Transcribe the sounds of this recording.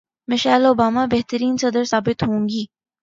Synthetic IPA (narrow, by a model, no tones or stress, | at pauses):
mɐʃaːloːbaːmabɛɦt̪əɾiːnsɐd̪əɾsaːbɪt̪ɦõːŋɡiː